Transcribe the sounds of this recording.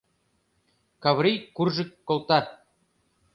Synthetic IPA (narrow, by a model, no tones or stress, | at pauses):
kɑβɾijkurʒɘ̆kːolˠt̪ɑ